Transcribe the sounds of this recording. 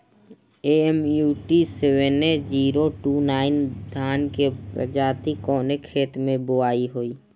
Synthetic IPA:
eɛmjuːʈisewened͡ʒiːɾoʈuːnaːɪnd̪ʱaːnkepɾə̰d͡ʒaːt̪ikɔːnekʰeːt̪mẽboaːiɦoːiː

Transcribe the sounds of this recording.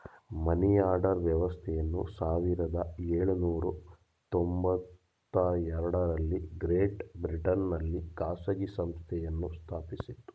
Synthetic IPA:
mɐnijaːɾɖɐɾʋjɐʋɐst̪ʰɛjɐnːṵsaːʋiɾɐd̪ɐeːɭunuːɾu | t̪ombɐt̪ː | ɐɛɾɐɽɐɾɐlːiɡɾeːʈbɾiʈɐnːɐlːikaːsɐɡisɐmst̪ʰɛjɐnːust̪ʰaːpisit̪ːu̥

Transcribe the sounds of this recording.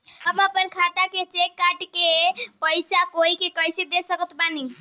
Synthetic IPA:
ɦəməpənkʰat̪aket͡ʃekːaʈkepəjsakoikekəjsed̪esəkət̪bani

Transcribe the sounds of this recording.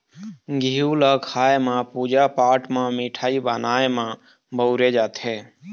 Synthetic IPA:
ɡʱiuləkʰaːemãpud͡ʒapaːʈʰmãmiʈʰaːibənaːemã | bəʊɾed͡ʒaːt̪ɦeː

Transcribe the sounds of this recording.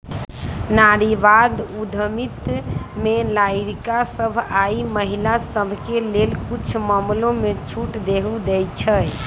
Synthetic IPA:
naɾiʋad̪ud̪ʱəmit̪melaiɾikasəbʱaiməɦilasəbʱkelelkut͡ʃʰməmlõmet͡ʃʰuʈd̪eɦud̪ɛjt͡ʃʰəj

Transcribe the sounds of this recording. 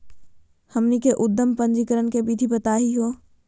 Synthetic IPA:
hɐmnikeʔʊd̪ːəmpə̃nd͡ʒikəɾənkebid̪ʱibɐt̪aːɦiɦoː

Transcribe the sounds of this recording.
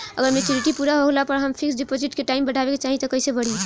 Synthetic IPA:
ə̰ɡəɾmet͡ʃuɾiʈipuɾaɦoɡlapəɾɦəmpʰiksɖipod͡ʒiʈkeʈaimbəɽʱabeket͡ʃaɦit̪ɔkəjsebəɽ̤i

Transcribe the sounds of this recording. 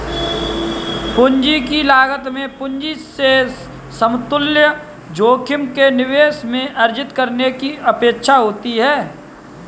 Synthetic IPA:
pʊɲd͡ʒikilaːɡət̪mẽpʊnd͡ʒise | səmt̪ʊljə | d͡ʒoːkʰɪmkenɪweːsmẽʔɐɾd͡ʒɪt̪kəɾnekiɐpeːkʃʰaɦoːt̪iɦɛː

